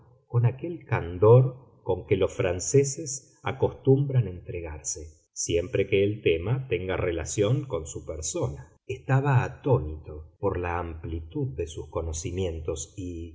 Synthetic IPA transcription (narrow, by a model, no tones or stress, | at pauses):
ko̞nakelkand̪o̞ɾ | ko̞ŋkelo̞sfɾanseses | a̰ko̞st̪umbɾanent̪ɾeɣaɾse | sje̞mpɾekeːlt̪emat̪eŋɡarelasjo̞ŋko̞nsupeɾso̞na | est̪aβ̞aːt̪onit̪o̞poɾlaːmplit̪uð̚ːesusko̞nosimje̞nt̪o̞si